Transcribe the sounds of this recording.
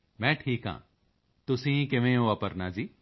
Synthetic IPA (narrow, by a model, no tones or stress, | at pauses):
mɛ̃ːʈʰiːkɦã̰ː | t̪ʊsĩkɪʋẽoɐpəɾnaːd͡ʒiː